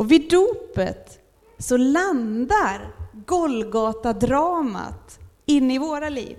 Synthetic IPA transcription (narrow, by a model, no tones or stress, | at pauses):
ɔvɪd̪uːpə̰t̪ | sɔland̪aɾɡɔlɡɑːt̪ad̪ɾɑːma̰t̪ | ɪnːɪvoːɾalḭːv